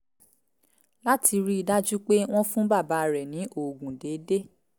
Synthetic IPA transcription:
la˦tʰi˧ɾi˦i˧da˦d͡ʒu˦k͡pe˦w̃ɔ̃˦fũ˦ba˦˨ba˨˧˨ɾɛ˨nĩ˨˦ʔo˨ɡũ˨de˨˦de˦

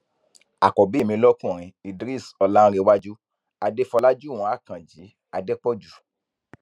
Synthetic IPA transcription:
a̰˨kɔ˨be˦˨mĩ˧˦lɔ˦kũ˦˨ɾ̃ĩ˧i˧dɾi˦˨sɔ˧lã˦˧ɾe˧wa˦d͡ʒu˦ | a˧de˦fɔ˧la˦d͡ʒu˦˨w̃ɔ̃˧˦a˦˨kã˨d͡ʒi˨˦ | a˧de˦k͡pɔ˦d͡ʒu˨

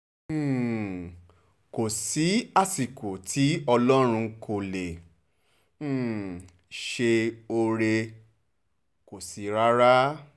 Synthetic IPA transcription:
ko˨si˨˦a˦˨si˨ko˨tʰi˨˦ɔ˧lɔ˦ɾ̃ũ˧kʰo˨le˨ | ʃe˧o˧ɾe˧ | ko˨si˨˦ɾa˦ɾa˦

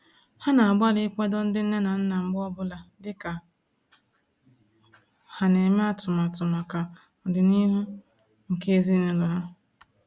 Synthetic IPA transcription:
ha˦na˨a˨ɡ͡ba˦lɪ˦kʷe˦dɔ˦n̩˦dɪ˦n̩˦e˦na˨n̩˦na˨ŋ͡m̩˦ɡ͡bɔ˦bʊ˦la˨dɪ˦ka˨ | ha˨ne˨me˦a˦˨tʊ˨ma˨tʊ˨ma˨ka˨ | ɔ˨dɪ˨ni˦ɦu˦ | ŋ̩˨ke˦e˦zi˦ne˨lɔ˨ɦa˦

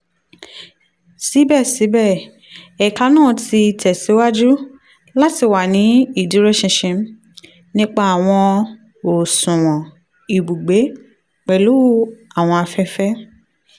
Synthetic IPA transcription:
si˨˦bɛ˦˨si˨˦bɛ˦˨ | ɛ˨ka˧˦nãː˦˨ti˧˨tʰɛ˨si˨˦wa˦d͡ʒu˦ | la˦ti˧wa˨nĩ˨˦i˦˨dĩ˨˦ɾe˦ʃĩ˧ʃĩ˧m˦ | nĩ˦k͡pa˧˦a˨w̃ɔ̃˧ | o˨sũ˨w̃ɔ̃˨ | i˨bu˨ɡ͡be˨˦ | k͡pɛ˨lu˨˦a˨w̃ɔ̃˧a˧fɛ˦fɛ˦

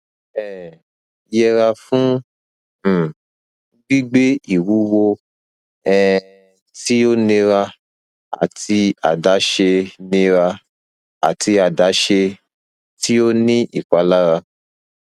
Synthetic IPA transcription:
ɛ˦˨ | jɛ˧ɾa˧fũ˦˨ | ɡ͡bi˦ɡ͡be˦i˦˨wu˨˦wo˧ | ɛ˨˧ | ti˦o˦nĩ˧ɾa˧ | a̰˨ti˧a̰˨da˨˦ʃe˧nĩ˧ɾa˧ | a̰˨ti˧a˨da˨˦ʃe˧ | tti˦o˦nĩ˦ʔi˦˨k͡pa˨˦la˦ɾa˧

